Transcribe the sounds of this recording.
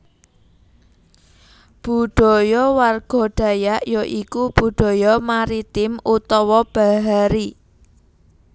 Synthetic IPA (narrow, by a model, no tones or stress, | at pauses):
b̥ṳɖ̥ɔ̤jɔwarɡ̥ɔ̤ɖ̥a̤jaʔjɔʔikub̥ṳɖ̪̥ɔ̤jɔmaɾit̪ɪmut̪ɔwɔb̥a̤ɦaɾi